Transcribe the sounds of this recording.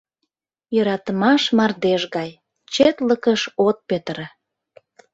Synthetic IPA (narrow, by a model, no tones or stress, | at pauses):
jøɾɑt̪əmɑʃmɑrd̪eʃɣɑj | t͡ɕet̪ləkəʃot̪̚pet̪ɾə